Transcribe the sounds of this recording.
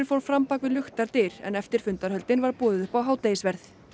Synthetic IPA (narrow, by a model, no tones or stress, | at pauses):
nfoːwɾfɾampaːkvɪðlʏxt̪aɾt̪ɪɾ̥ɛ̰nɛft̪ɪɾ̥fʏnt̪aɾhœlt̪ɪnvaɾ̥puːðɪðʏhpawɦaːwt̪ejsvɛɾθ